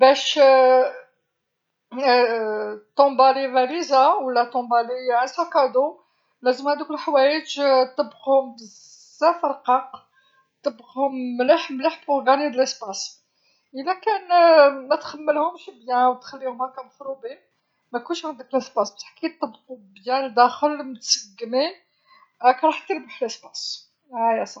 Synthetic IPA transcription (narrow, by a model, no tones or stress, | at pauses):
bæʃ | t̪ɔ̃balivælizawəlːæt̪ɔ̃bæliʕasækɑd̪u | læzəmhæd̪ukəlħwæjəd͡ʒt̪ːəbːəɣhʊmbəz | zːæfəɾˤqɑq | t̪əbːɣhʊmːləħmləħboɡænid̪ələspɑs | ʔəlækænmæt̪xæmːəlhʊmʃibjæwt̪xælːihʊmhækænfɾubi | mækʊnʃʕand̪əkəlʔəsbɑsbt̪ħkit̪ˤːɑbːqubjænd̪æxəlmət̪səɡːmi | kæɾˤɑħt̪ːəɾbaħəlʔəsbɑs | æjæsˤɑ